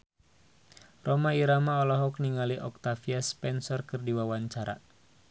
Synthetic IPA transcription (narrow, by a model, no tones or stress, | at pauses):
rɔmaiɾamaɔlɔɦɔk̚niŋaliʔɔk̚t̪afiaspɛnsɔrkɨrdiwawaɲt͡ʃaɾa̰